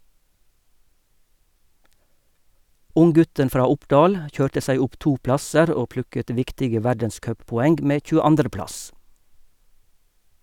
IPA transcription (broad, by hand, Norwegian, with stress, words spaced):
ˈʊŋˌɡʉtən ˈfɾɑː ˈʊpɖɑːl ˈçøːʈə ˈsæɪ ˈʊp ˈtuː ˈplɑsəɾ ˈoː ˈplʉkət ˈʋɪktɪɡə ˈʋæɖənˌskœppɔˌɛŋɡ ˈmeː c͡çʉːəˈɑndʁə ˈplɑs